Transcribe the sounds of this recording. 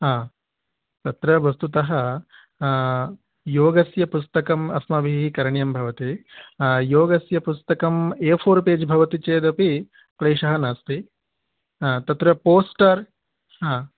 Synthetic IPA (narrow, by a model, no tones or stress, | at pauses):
ɦaː | t̪ɐt̪ɾɐʋɐst̪ut̪ɐɦɐ | joːɡɐsjɐpust̪ɐkɐmɐ̰smɐbʱiɦikɐɾɳjɐmbʱɐʋɐt̪i | joːɡɐsjɐpust̪ɐkɐmeːpʰoːɾpeːd͡ʒbʱɐʋɐt̪it͡ʃeːd̪ɐpi | pɾɐːʂɐɦɐnaːst̪i | t̪ɐt̪ɾɐpoːsʈɐɾ | ɦãː